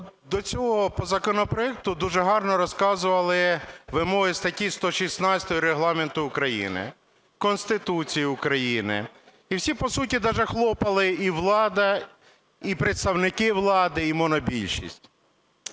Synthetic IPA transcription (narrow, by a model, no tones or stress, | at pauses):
d̪ɔt͡sʲɔɦɔpɔzɐkɔnɔpɾɔɛk̚t̪ʊd̪uʒɛɦɑrnɔɾɔskɑzʊʋɐlˠɪʋɪmɔɦɪst̪ɐtʲist̪ɔʃisnɑt͡sʲɐ̥t̪ɔjʊɾeɦlˠɑment̪ʊːkɾɐjḭnɪ̰ | kɔnst̪ɪt̪ut͡sʲijiʊkɾɐjinɪ̰ | iwsʲipɔsutʲid̪ɑʒɛxlˠɔpɐlˠɪiʋlˠɑd̪ɐ | ipɾet̪st̪ɐwnɪkɪʋlˠɑd̪ɪimɔnɔbʲilʲʃḭsʲtʲ